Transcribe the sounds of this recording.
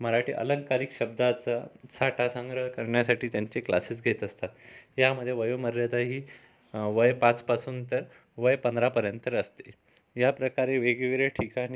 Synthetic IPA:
məɾaʈiːʔə̰ləŋkaɾikɕəb̚d̪ʱat͡sasaʈʰasə̃ŋɡɾəɦkəɾɳjasaʈiːt̪jaɲt͡ɕekla̰siːs̬ɡʱet̪əst̪at̪ɦjaməd̪ʱːjeʋəjoməɾːjat̪aɦiː | ʋəjpãt͡spasuːnt̪əɾ | ʋəjpənd̪ɾapəɾjənt̪əɾəst̪e̥ | japɾəkaɾeʋeɡeʋeɾeʈʰikani

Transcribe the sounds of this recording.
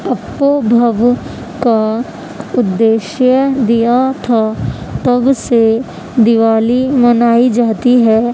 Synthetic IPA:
ɐpːobʱəʋ | ka | ʊd̪ːeːʃjəd̪ijat̪ʰat̪ɐbse | d̪ɪʋaːlimɐnaːid͡ʒaːt̪iɦɛː

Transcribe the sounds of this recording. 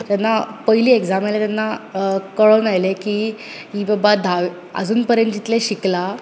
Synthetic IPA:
t̪anːapəɦiliːeɡd͡zamelat̪janːakəɭəʋnajlekiː | ɦiːbabad̪ʱaʋ | ə̰d͡zuːnpəɾjə̃nt̪d͡ʑit̪leɕikla

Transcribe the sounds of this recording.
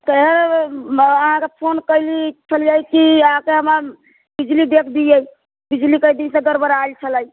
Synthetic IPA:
t̪əɦəɾ | əɦãkepʰonkəjlit͡ʃʰəljəjkiəɦãkeɦəməɾ | bid͡ʒlid̪ekʰd̪ijəj | bid͡ʒlikəjd̪insẽɡəɾbəɾajlt͡ʃʰələj

